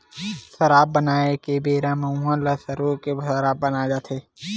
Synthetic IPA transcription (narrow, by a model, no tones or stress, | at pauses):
səɾaːb̚ːənaːekebeːɾãmɐ̃ũɦãlɐsəɾoːkebʱsɾaːb̚ːənaːd͡ʒaːt̪ʰeː